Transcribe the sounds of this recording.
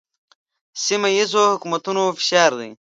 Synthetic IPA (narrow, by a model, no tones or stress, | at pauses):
simɐjizoːhukumɐt̪unoːfi̥ɕaːɾd̪ḭ